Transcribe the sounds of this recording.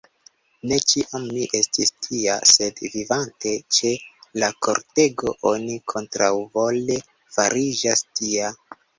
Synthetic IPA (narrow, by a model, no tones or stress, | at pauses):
ne̞t͡ʃiʔamniʔe̞stistʰia̰se̞dvivante̞t͡ʃe̞lako̞̰ɾte̞ɡo̞ʔo̞nikʰo̞ntɾawvo̞le̞ | faɾid͡ʒastia